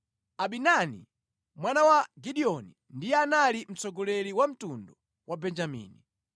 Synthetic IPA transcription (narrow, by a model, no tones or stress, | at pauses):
aɓinanḭ | mwanawaɡiɗiɔni | ndijɛanalim̩t͡sɔɡɔlɛliwam̩tundɔ | wʔabɛnd͡ʒamḭːni